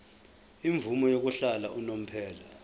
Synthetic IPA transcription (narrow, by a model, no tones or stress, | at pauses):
iɱvumɔjok̬uɬalaʔunom̩pʰɛːla